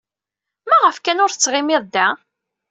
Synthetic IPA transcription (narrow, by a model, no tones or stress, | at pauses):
mæʁəfkænʊɾθt͡sːʁɪmɪðˤd̪æ